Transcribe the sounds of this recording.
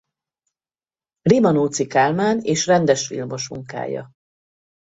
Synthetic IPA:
rimɒnoːt̪sikaːlmaːneːʃrɛnd̪ɛʃfḭlmo̞ʃmṵŋka̰ːjɒ̰

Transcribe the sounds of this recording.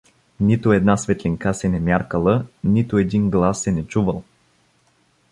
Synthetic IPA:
nit̪ʊɛd̪nasvɛt̪liŋkasɛnɛmjaɾkəlˠənit̪ʊɛd̪iŋɡlˠasːɛnɛt͡ʃuvəlˠ

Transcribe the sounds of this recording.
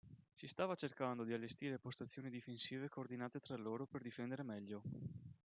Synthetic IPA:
sist̪aːvat͡ʃerkand̪od̪ialːest̪iːɾepost̪at̪sːjoːnid̪ifensiːvekoːrd̪inaːt̪et̪ɾalːoːɾoperd̪ifɛnd̪eɾemɛʎːo

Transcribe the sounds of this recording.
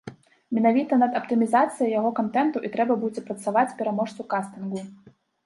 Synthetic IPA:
mʲɛnavʲit̪ɐnɐd̪ɐpt̪ɨmʲizat̪sɨjɐjaɣɔkant̪ɛnt̪uʔit̪ɾɛbɐbud͡zʲɛpɾɐt̪savat͡sʲpʲɛɾamɔʂt̪svukast̪ɨnɡu

